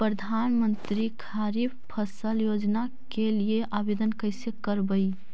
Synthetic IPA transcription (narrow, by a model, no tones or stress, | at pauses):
pɾəd̪ʱanmənt̪ɾikʰaɾibpʰəsəljod͡ʒna | kelieʔabed̪ənkəɪsekəɾbəɪ